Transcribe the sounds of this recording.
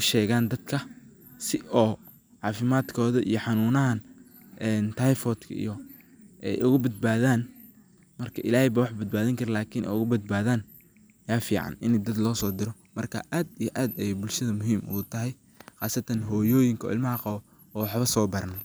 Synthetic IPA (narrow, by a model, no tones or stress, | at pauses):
ʊʃɛːɣaːnd̪ɐd̪kʰɐ | sɪʔɔː | ʕɑːfɪmaːd̪kʰɔːðɐʔḭjɔħɑnuːnɐɦɐn | ʔɛnt̪ʰajfɔːd̪kʰɐ̰ḭjɔ | ʔɛ̰jʔʊɣʊbɐd̪̚baːðaːn | mɐrkʰɐʔɪlaːhɛjβawɑħbɐd̪̚baːðɐŋkʰɐɾɛlaːkʰɪnʔɛ̰jʊɣʊbɐd̪̚baːðaːn | jaːfḭːʕɑ̰nɪnɛd̪ɐd̪lɔːsɔːd̪ɪɾɔ | mɐrkʰɐʔaːd̪ijɔʔaːd̪ɛjbʊlʃɐðɐmʊɦiːmʔʊ̰ɣʊt̪ʰɐɦɛj | χaːsɐt̪ʰɐnɦɔːjɔːjɪŋkʰɔ̰ːʔɪ̰lmɐɦɐqɑβɔ | ɔːwɑħβɐsɔːbɐrnɐ